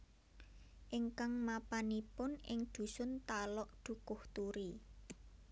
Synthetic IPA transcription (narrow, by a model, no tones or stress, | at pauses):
ʔɪŋkaŋmapanipʊnɪ̰ŋd̪̥ṳsʊnt̪alɔʔd̪̥ṳkʊht̪uɾi